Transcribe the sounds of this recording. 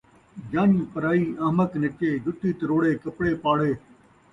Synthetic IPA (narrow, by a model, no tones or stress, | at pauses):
d͡ʒaːniːpəɾaːiːaːmək̪nɪt͡ʃeːd͡ʒʊʈːiːt̪əɾoːɽeːkəpɽeːpaːɽeː